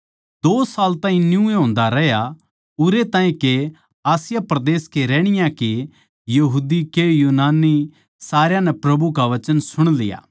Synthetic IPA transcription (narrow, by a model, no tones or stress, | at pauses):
d̪oːsaːlt̪ãːɦĩnjũeɦõːnd̪aɾɛɦja | ʊɾet̪ãːĩke | aːsɪjapɾɐd̪eːskeɾɛːɽ̃ɪjãke | jɐɦuːd̪ikejuːnaːnːi | saːɾjãnɛpɾɐbukaʋɐt͡ʃənsʊɽ̃lɪ̰ja̰ː